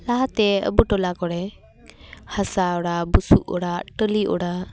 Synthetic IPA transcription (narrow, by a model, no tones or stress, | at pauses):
laɦat̪ɛə̰buʈɔlakɔɽɛ | hasaɔɽabusuʔɔ̰ɽaʈəliʔɔ̰ɽa